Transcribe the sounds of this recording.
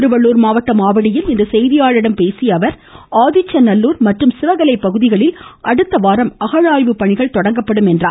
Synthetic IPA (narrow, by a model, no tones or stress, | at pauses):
ɾɯʋɐɭːuːɾmaːʋɐʈ̪ːɐmaːʋɐɽɪjɪlɪnd̪ɐsɛjðɪjaːɻɪɽɐmpeːsɪjɐʋɐɾ | aːðɪt͡ʃːɐnɐlːuːɾmɐʈrɯmsɪʋɐɣɐlɐɪpːɐɣɯðɪɣɐɭɪlʔɐɽɯt̪ːɐʋaːɾɐmɐɣɐɻaːjʋɯpːɐɳɪɣɐɭt̪ɔɽɐŋɡɐpːɐɽɯmɛndraː